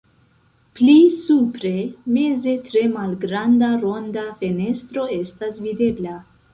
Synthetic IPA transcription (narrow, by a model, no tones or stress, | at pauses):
plisupɾe̞me̞ze̞tɾe̞malɡɾandaɾo̞ndafe̞ne̞stɾo̞e̞stasvide̞bla